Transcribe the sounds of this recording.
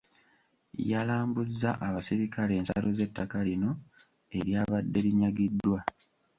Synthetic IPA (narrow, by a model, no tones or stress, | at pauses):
jalaːmbuzːaʔaβasiɾikʰale̞ːnsa̰loze̞tːakalino̞ | e̞ɾjaːβadːe̞liɲaɡidːwa